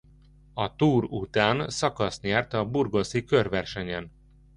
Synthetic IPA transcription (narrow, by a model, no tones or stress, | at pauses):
ɒt̪uːɾut̪aːnsɒkɒst̪ɲaːrt̪ɒburɡoːsikørʋɛrʃɛɲɛn